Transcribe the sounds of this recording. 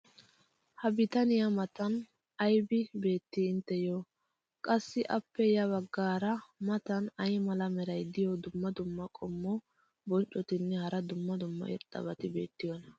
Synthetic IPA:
hɐbɪt̪ɐnɪjɐmɐt̪ɐn | ɐjbɪbe̞ːt̪ːɪɪnt̪ːɛjo | kʼɐsːɪʔɐpːɛjɐβɐɡːaːɾɐmɐt̪ɐnɐjmɐlɐmɛɾɐjd̪ɪjɔd̪ʊmːɐd̪ʊmːɐkʼɔmːɔ | bɔnt͡ʃʼːɔt̪ɪnːɛhɐɾɐd̪ʊmːɐd̪ʊmːɐ̰ʔɪ̰ɾt̪ʼːɐ̰bɐt̪ɪbe̞̰ːt̪ːɪjɔnɐ

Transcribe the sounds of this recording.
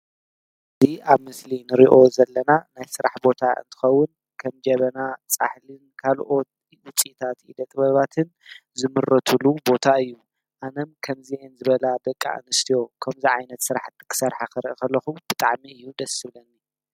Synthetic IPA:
ʔɨɨziʔaβmɨslinɨɾiʔo̞zɐlːɐnanajsɨɾaħbo̞t̪ʰaɨ̰nt̪ʰɨ̥xɐwːʊn | kʰɐmd͡ʒɐβɐnat͡sʼa̰ħlɨnkʰalʔo̞t̪ | ʊt͡sʼit̪ʰat̪ḭd̪ɐt̪ʼβɐβat̪ʰɨnzɨmɨrɐt̪ʰulubo̞t̪ʰaɨjːu | ʔanɐmkʰɐmziʔenzɨβɐlad̪ɐkʼːa̰ʔnɨst̪ʰijo̞kʰɐmziʕajnɐt̪sɨɾaħt̪ːkʰɨ̥sɐɾħakɐɾɨʔkɐlːɐxub̥ɨt̪ʼaʕmiɨjːud̪ɐsɨβlɐnːi

